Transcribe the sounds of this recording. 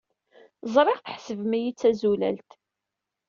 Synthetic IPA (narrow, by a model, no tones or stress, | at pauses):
zˤɾˤɪʁθəħsəvmæjit͡sːæzulæ̰lt̪